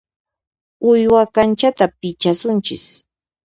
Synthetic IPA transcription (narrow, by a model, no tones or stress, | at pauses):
ʊjwakant͡ʃat̪apɪt͡ʃasʊnt͡ʃɪ̰s